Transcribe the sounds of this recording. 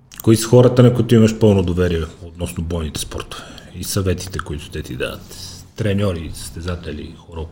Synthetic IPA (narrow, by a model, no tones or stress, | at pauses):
koisə̥xɔɾɐt̪ɐnɐkʊit̪ʊimɐʃpɤlˠnod̪ovɛɾiɛot̪nɔsnobɔjnit̪ɛ̥spɔ̰ɾt̪o̥vɛisɐvɛt̪i̥t̪ɛkoit̪ʊ̥t̪ɛt̪id̪a̰vɐ̰t̪t̪ɾɛnʲɔɾisə̥st̪ɛzat̪ɛlḭxoɾɔ